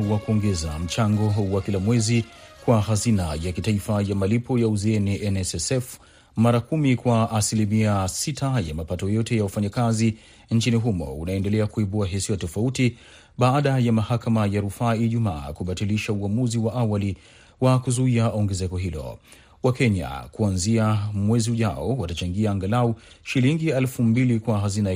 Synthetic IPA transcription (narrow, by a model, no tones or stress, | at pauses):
wakuɔŋɡɛzam̩t͡ʃaŋɡɔwakilamwɛzikwaɦazinajakitaifajamalipɔjauzɛɛniʔɛnɛsɛsɛf | maɾakumikwaʔasilimiasitʰajamapatɔjɔtɛjawafaɲakazi | n̩t͡ʃiniɦumɔ̰unaɛndɛlɛakuiɓuaɦisiwatɔfauti | ɓaaɗajamahakamajaɾufaːiʄumaːkuɓatiliʃauamuziwaʔawali | wakuzuiaɔŋɡɛzɛkɔɦilɔ̰ | wakɛɲa̰kuanziamwɛziuʄaɔ̰watat͡ʃaŋɡiaːŋɡalaɔ | ʃiliŋɡialfumbilikwaɦazina